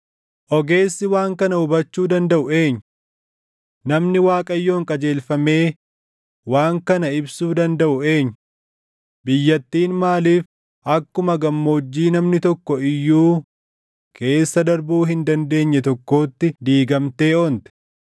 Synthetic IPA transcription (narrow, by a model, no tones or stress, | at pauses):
ʔɔɡe̞ːsːɪwaːŋkɐnɐʊbɐt͡ʃːuːd̪ɐnd̪ɐʔʊe̞ːɲː | nɐmnɪwaːkʼɐjːo̞ːŋkʼɐd͡ʒe̞ːlfɐme̞ː | waːŋkɐnɐɪbsuːd̪ɐnd̪ɐʔʊe̞ːɲː | bɪjːɐt̪ːiːnmaːliːf | ʔɐkːʊmɐɡɐmːo̞ːd͡ʒːiːnɐmnɪt̪ɔkːɔɪjːuː | kʰe̞ːsːɐd̪ɐɾbuːɦɪnd̪ɐnd̪e̞ːɲːɛt̪ɔkːo̞ːt̪ːɪd̪iːɡɐmt̪e̞ːoːnt̪ɛ̥